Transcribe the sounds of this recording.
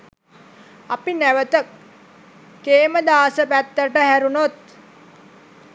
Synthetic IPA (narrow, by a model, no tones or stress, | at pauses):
apinæʋət̪əkː | eːməd̪aːsəpæt̪ːəʈəhæɾunot̪